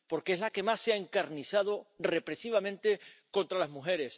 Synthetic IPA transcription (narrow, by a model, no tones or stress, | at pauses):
po̞ɾkeezlake̞masːeaeŋkaɾniθað̞ore̞pɾe̞siβamẽnt̪e̞ko̞nt̪ɾalazmuxe̞ɾe̞s